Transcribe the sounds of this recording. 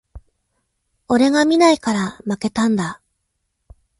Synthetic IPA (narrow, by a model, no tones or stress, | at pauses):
o̞ɾe̞ɡamʲinaikaɾamake̞t̪ãnd̪a